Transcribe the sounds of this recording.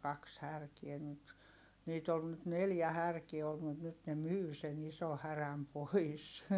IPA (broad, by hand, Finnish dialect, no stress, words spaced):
kɑks hærkiɛ nyt niːt ol nyt neljæ hærkie olt mut nyt ne myː sen iso hæræm pois